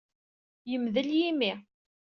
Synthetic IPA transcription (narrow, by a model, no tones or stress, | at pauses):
jəmðəljimi